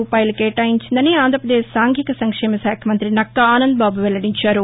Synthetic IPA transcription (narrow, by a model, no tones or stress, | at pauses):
uːpaːjɐlɐkeːʈaːjiɲt͡ʃind̪ɐneaːnd̪ʱɾɐpɾɐd̪eːʃsaːŋɡʱikɐsɐŋkʂeːmɐsaːkʰjɐmɐnt̪ɾinɐkːɐaːnɐnd̪̚baːbuʋɛlːɐɽiɲt͡ʃaːɾu